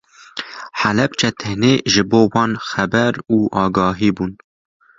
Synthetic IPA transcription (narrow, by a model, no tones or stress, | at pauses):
ħælɛpt͡ʃʰɛt̪ʰɪhneːʒɨboːwɑːnxɛbɛɾuːʔɑːɡɑːɦiːbun